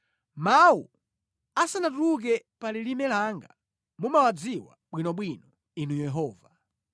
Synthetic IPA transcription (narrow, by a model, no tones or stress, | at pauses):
maṵ | asanatuk̬ɛpalilimɛlaŋɡa | mumawad͡ziwa̰ɓwinɔɓwinɔ | inujɛɦɔːva